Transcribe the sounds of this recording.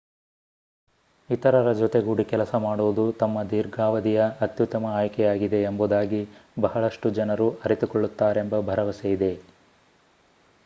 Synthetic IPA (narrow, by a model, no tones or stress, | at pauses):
it̪ɐɾɐɾɐd͡ʒɔt̪eɡuɽikɛlɐsɐmaːɽoːd̪ut̪ɐmːɐd̪iːɾɡʱaːʋɐd̪ijɐːt̪jut̪ːɐmɐaːjkɛjaːɡid̪e̞ːmbud̪aːɡibɐɦɐɭɐʂʈud͡ʒɐnɐɾuɐɾit̪ukoɭːut̪ːaːɾe̞mbɐbʱɐɾɐʋɐsejid̪e̞